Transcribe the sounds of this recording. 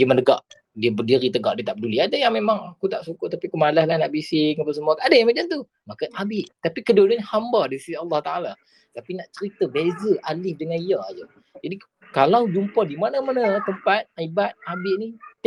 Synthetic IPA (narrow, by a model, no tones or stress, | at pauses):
diəməndəɡaʔ | diəbədiɾit̪əɡaʔdiət̪aʔb̚əduliadajaŋmemaŋakut̪aʔsukʊʔt̪apiakumalahlanaʔbisɪŋapasəmuakaadəmad͡ʒant̪u | makaʔabɪʔt̪apikədudnhambardisiiɑlːɑht̪aala | t̪apinaʔt͡ʃəɾit̪əbezəʔalɪhdəŋanijad͡ʒə | d͡ʒadi | kalawd͡ʒumpɔdimanəmanət̪əmpat̪̚ibat̪̚abɪʔni